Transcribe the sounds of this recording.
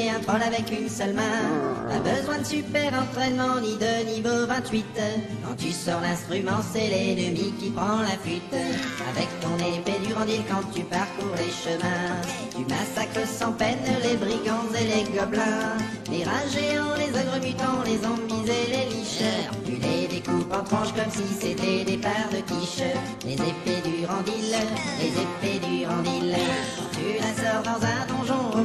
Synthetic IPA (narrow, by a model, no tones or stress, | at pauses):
ɛ̃t̪ʁɑ̃lavɛkynsœlmɛ̃t̪a̰bəzwɛ̃d̪əsypɛʁɑ̃t̪χɛnmɑ̃nid̪ənivovɛ̃t̪ɥit̪kɑ̃t̪ysɔʁlɛ̃st̪χymɑ̃sɛlɛnəmikʲipχɑ̃lafɥit̪a̰vɛkt̪ɔ̃neped̪yʁɑ̃d̪ilkɑ̃t̪ypaʁkuʁleʃəmɛ̃ | t̪ymasakχəsɑ̃pɛnlebʁiɡɑ̃zeleɡɔblɛ̃ | leʁɛ̃ʒeɑ̃lezɔɡʁəmyt̪ɑ̃lezɔ̃mizeleliʃə | t̪yled̪ekupɑ̃t̪χɑ̃ʃkɔmsiset̪ɛd̪epaʁd̪əkiʃ | lḛzeped̪yʁɑ̃d̪illezeped̪yʁɑ̃d̪il | t̪ylasɔʁd̪ɑ̃zɛ̃d̪ɔ̃ʒɔ̃